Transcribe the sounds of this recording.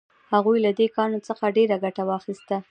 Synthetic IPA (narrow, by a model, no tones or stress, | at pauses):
haɣujlad̪ekɑnot͡səxaɖeɾaɡaʈawɑxist̪a